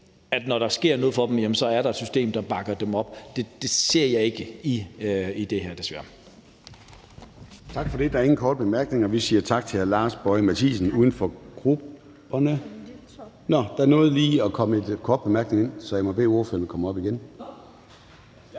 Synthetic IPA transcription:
æd̥nɒɾ̥ɑ̈sɡ̥e̝ɐ̰nɔːð̞̩ˠfɒ̽d̥em̩jemən̩sɒ̽æɐɾɑ̈ed̥sysd̥ḛːmd̥ɑ̈b̥ɑ̈ɡ̥ɐd̥emɒ̽b̥d̥e̝d̥e̝se̝ɐ̰jɑ̈ɪe̝ɡ̥əiid̥e̝ɦæɐ̰d̥e̝sʋæɐ | t͡sʰɑ̈ɡ̥fɒ̽ɾ̥e̝d̥ɑ̈æɐe̝ŋn̩kʰɒːd̥̚b̥e̝mæɐɡ̥ne̝ŋɒʋisiːɐt͡sʰɑ̈ɡ̥̚t͡sʰe̝hæɐlɑ̈ːsb̥ɒ̽ɪmæt͡sʰḭːsn̩uːð̞ˠn̩fɒ̽ɡ̥ʁub̥ | ɐnə | nɒd̥ɑ̈æɐnɔ̽ːð̞̩ˠliːɒkʰɒ̽məe̝d̥kʰɒːd̥̚b̥e̝mæɐɡ̥ne̝ŋe̝nsɒ̽jɑ̈ɪmɒb̥e̝̰ːoːfølm̩ˠkʰɒ̽mɒ̽b̥iɡ̥en

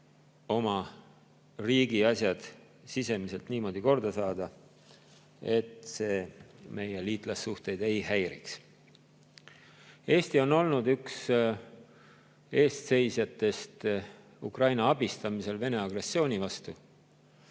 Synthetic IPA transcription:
o̞mɑ | riːɡiɑsʲjɑd̪̥ | sise̞mise̞lt̪niːmo̞ːd̪̥iko̞rd̪̥ɑsɑːd̪̥ɑ | e̞t̪ˑse̞ːme̞jeliːt̪ˑlɑsːuht̪e̞jd̪e̞jhæjɾḭks | e̞ːst̪io̞no̞lnud̪yks | e̞ːst̪se̞jsjɑt̪ːˑe̞st̪ | ukrɑjnɑɑb̥ist̪ɑmise̞lve̞ne̞ɑɡre̞sːo̞ːnivɑst̪u

